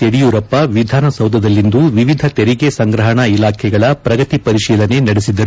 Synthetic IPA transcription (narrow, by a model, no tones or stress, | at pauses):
t̪eɽijuːɾɐpːɐʋid̪ʱaːnɐsɐwd̪ʱɐd̪ɐlːind̪uʋiʋid̪ʱɐt̪eɾiɡe̞sɐŋɡɾɐɦɐɳɐilaːkʰɛɡɐɭɐpɾɐɡɐt̪ipɐɾiʃiːlɐne̞nɐɽesid̪ːɐɾ